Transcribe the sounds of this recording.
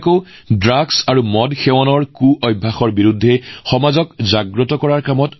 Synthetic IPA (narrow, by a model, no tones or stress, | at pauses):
ko | dɹaɡsaɹumɔdxɛwɔnɔɹkuʔɔjbʱːaxɔɹbiɹudʱːɛxɔmazɔkzaɡɹɔtɔkɔɹaɹkamɔt